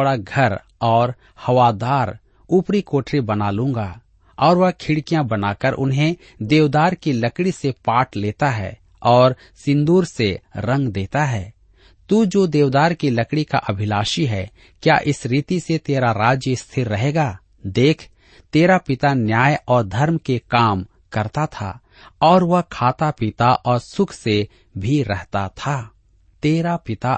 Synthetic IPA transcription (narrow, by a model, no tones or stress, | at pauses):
ɽaɡʱɐɾ | ɔːɾ | hɐʋad̪aːɾ | uːpɾikoːʈʰɾibənaːlũːŋ̆ɡaː | ɔːɾʋɐkʰɪɽkijãbənaːkəɾʔʊ̰nɦẽ | d̪eːʋd̪aːɾkiləkɽisepaːʈleːt̪aɦɛ̰ː | ɔːɾ | sɪ̃nd̪uːɾseɾə̃ŋɡd̪eːt̪aɦɛː | t̪ud͡ʒoːd̪eːʋd̪aːɾkiləkɽika̰ʔɐbʱɪlaːʃiɦɛː | kja̰ːʔɪsɾiːt̪iset̪eːɾaɾaːd͡ʒjəst̪ʰɪɾːɐɦeːɡaː | d̪eːkʰ | t̪eːɾapɪt̪anjaːjɔːɾd̪ʱɐɾmkekaːm | kɐɾt̪at̪ʰa̰ | ɔːɾʋɐɦkʰaːt̪apɪt̪aʔɔːɾsʊkʰse | bʱiɾɛɦt̪at̪ʰaː | t̪eːɾapɪt̪a